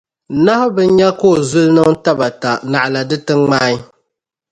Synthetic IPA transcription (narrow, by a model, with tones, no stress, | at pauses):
na˦hʊ˦bɨ˦n̩˦ɲɛ˦koː˦˨zʊ˦lnɨ˦ŋta˦ba˨ta˨na˨ʔla˨dɨ˦tɨ˦ŋŋ͡maː˦ɲi˦